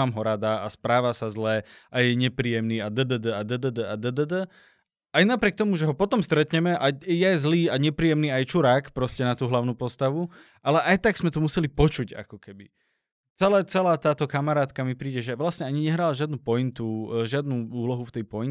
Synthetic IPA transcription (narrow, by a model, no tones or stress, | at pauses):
aːmɦɔɾad̪aaspɾaːʋasazlɛʔajɛɲɛpɾiːjɛmniːad̪əd̪əd̪əad̪əd̪əd̪əad̪əd̪əd̪ə | ajnapɾɪɛk̚t̪ɔmuʒɛɦɔpɔt̪ɔmst̪ɾɛt̪ɲɛmɛʔajajɛzliːaɲɛpɾiːɛmniːajt͡ʃuɾaːkpɾɔscɛnat̪uːɦlaʊnuːpɔst̪aʋu | ʔalɛʔajt̪aɡz̥mɛt̪ɔmusɛlipɔt͡ʃuɟa̰kɔkɛbi | t͡sɛlɛːt͡sɛlaːt̪aːt̪ɔkamaɾaːt̪kamipɾiːɟɛʒɛʋlasɲɛaɲiɲɛɦɾaːlaʒɪad̪nuːpɔint̪uʒɪad̪nuːuːlɔɦuft̪ɛjpɔjin